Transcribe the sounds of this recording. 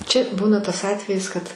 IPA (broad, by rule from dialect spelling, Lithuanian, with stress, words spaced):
ˈt͡ʃʲɛ ˈbuːnɐ tɐs ˈɑːtʲʋʲɛjɪs kɐt